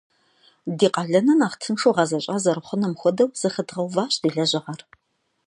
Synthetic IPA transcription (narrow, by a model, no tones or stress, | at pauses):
diːqɑɮɐnɐnaːχtʰɨnʂoːʁɑzɐɕʼaːzɐɾɨχʷʊnɐmxʷɔdɐwz̥ɨxədʁɐwvaːɕʼd̥iːɮɐʑʼɪʁɐr